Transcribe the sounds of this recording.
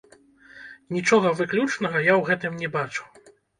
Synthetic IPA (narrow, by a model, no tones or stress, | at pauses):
nʲit͡ʂɔɣɐvɨklʲut͡ʂnɐɣɐjawɣɛt̪ɨmnʲɛbat͡ʂu̥